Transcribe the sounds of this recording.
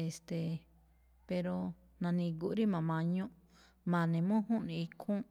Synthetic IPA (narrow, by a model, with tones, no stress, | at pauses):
e˨st̪e˨ | pe˧ɾo˧ | nã˧nĩ˧ɡu˧ʔɾi˦mã˨mã˧ɲõ˦ʔ | mã˨nẽ˨mũ˦ɦũ˦ʔnĩ˨˧i˧kʰũ˦ʔ